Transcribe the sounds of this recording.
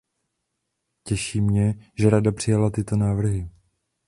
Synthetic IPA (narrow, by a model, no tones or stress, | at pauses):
cɛʃiːmɲɛʒɛɾadapr̝̥ɪjalat̪ɪt̪o̞naːvr̩ɦɪ